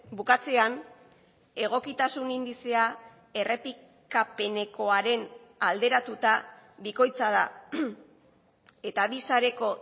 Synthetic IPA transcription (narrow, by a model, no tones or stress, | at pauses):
bukat͡se̞an | e̞ɣ̞o̞kit̪asunind̪isea | e̞re̞pi | kape̞ne̞ko̞aɾe̞n | ald̪e̞ɾat̪ut̪abiko̞jt͡sað̞a | e̞t̪aβisaɾe̞ko̞